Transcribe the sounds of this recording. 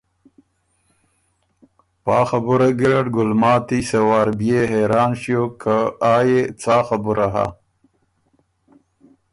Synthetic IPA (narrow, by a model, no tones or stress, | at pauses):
pɑːxabuɾaɡiɾaʈɡʊlmɑːt̪isewaːɾbjeɦeɾɑːnʃjokʰaaːjet͡saːxabuɾaɦa̰